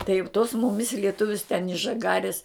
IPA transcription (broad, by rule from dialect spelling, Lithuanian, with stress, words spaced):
tɐɪ jɛʊ toːs ˈmʊmʲɪs lʲiɛˈtʊʋʲʊs tʲɛn ɪʃ ʒɐˈɡɑːrʲɪs